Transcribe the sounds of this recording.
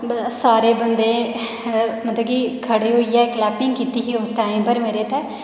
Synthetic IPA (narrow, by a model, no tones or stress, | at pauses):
saːɾeːbənd̪eː | mət̪ləbkiːkʰəɽeːɦoːiːɛːklɛːpɪŋɡkiːt̪iːɦiːʊsʈaːɪ̃mpəɾmeːɾeːt̪ɛː